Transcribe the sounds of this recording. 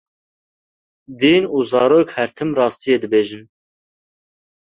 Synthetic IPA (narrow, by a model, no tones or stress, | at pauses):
d̪iːnuːzɑːɾoːkhɛɾt̪ʰɨmrɑːst̪ijeːd̪ɨbeːʒɨm